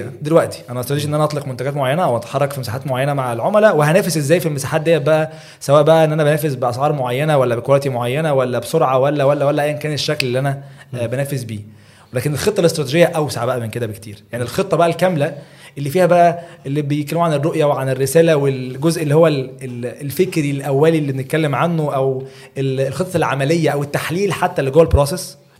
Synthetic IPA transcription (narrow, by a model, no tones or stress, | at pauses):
d̪elwæʔt̪i̥ʔænæʔɑst̪ɾɑt̪eʒiʔenːʔænʔɑt̪ˤleqmont̪æɡæːt̪moʕajːænæʔæwʔɑt̪ɑ̥ħɑrˤːɑkfimesaːħaːt̪moʕajænæmaʕlʕomælæwehænæːfesʔezːæːjfilmesaːħaːt̪d̪ejːæbæʔæ | sæwæːʔbæʔæʔenːʔænæbænæːfezbeʔɑsˤʕɑːɾˤmoʕajːænæwælːæbekoɾæːt̪imoʕajːænæwælːæbsoɾʕɑwælːæwælːæwælːæʔæjːæenkæːneʃːæklelːiːʔænæbænæːfezbiː | welæːkenelxet̪ˤːɑlest̪ɾɑt̪eʒejːæʔæwsaʕbæʔæmenked̪æbekt̪ḭːɾjaʕnilxet̪ˤːɑbæʔælkæmlæ | ʔelːiːfiːhæbæʔæʔelːibejet̪kælemuʕanerˤːoʔjæweʕanerːesæːlæwelɡozʔelːiːhowːælelelfekɾilʔæwːæːlilːibenet̪̚kælːemʕanːoʔæw | elelxet̪ˤːɑlʕamælejːæʔæwet̪ːaħliːlħat̪ːæleɡoːwelbɾoːses